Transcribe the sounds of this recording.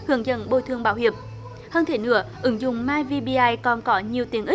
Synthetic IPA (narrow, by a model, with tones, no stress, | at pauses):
hɨ˧˩əŋzə̰˧˨nɓo̰˧˨t̪ʰɨ˧əŋɓaː˧˦whi˧˩əm̚ | həː˧nt̪ʰe˧˩nɨ̰˧˩˦əʔɨ˨˦ŋzʊ̰˧˨ŋ͡mmaː˧jvi˧ɓi˧ʔaː˧jkɔ˨˩nkɔ˨˦ɲi˨˩əwt̪i˨˦əŋʔi˦˥k̚